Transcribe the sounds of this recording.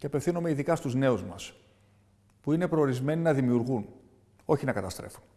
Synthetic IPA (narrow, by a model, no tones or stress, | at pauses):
ceɐpefθinome̞iðikɐst̪uzne̞uzmɐs | puine̞pɾo̞ːɾizme̞ninɐðimiuɾɣun | o̞çinɐkɐt̪ɐst̪ɾe̞̰fu̥n